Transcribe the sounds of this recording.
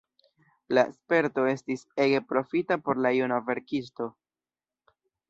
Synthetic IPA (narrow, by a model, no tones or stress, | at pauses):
laḛspe̞ɾto̞e̞stise̞ɡe̞pɾo̞fitapo̞ɾlajunave̞ɾkis̬to̞